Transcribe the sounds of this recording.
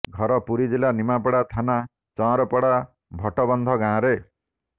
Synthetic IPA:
ɡʱɔɾɔpuɾid͡ʒilanimapɔɽat̪ʰana | t͡ʃɔ̃ɾɔpɔɽa | bʱɔʈɔbɔnd̪ʱɔɡãɾe

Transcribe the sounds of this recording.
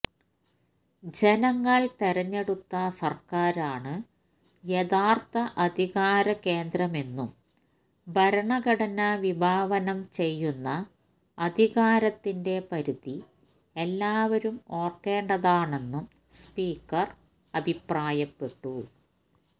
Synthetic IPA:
d͡ʑe̞nɐŋːɐɭt̪eɾɐɲːe̞ɽut̪ːɐsɐrkaːɾaːɳɨ | jeðaːrt̪ɐʔɐd̪ʱiɣaːɾɐke̞ːnd̪ɾɐme̞nːum | bʱɐɾɐɳɐɡɐɽɐnɐʋibʱaːʋɐnɐmt͡ɕe̞jːunːɐː | d̪ʱiɣaːɾɐt̪ːinde̞pɐɾuði | elːaːʋɐɾumo̞ːrkːe̞ːɳɖɐðaːɳe̞nːum | spiːkːɐr | ɐbʱipraːjɐpːe̞ʈːu

